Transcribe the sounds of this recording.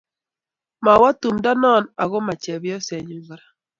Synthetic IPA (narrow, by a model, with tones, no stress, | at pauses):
ma˨wa˦tu˨mda˦nɔ˦˨na˨ɣo˦ma˨t͡ʃa˨βjɔ˦se˨ɲu˨ŋɡa˨ɾa˨